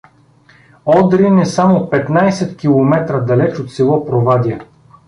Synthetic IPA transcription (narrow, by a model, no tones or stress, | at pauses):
ɔd̪ɾinɛsamopɛt̪najsɛt̪kʲilˠomɛt̪ɾəd̪ɐlɛt͡ʃot̪silˠɔpɾovad̪ʲiɛ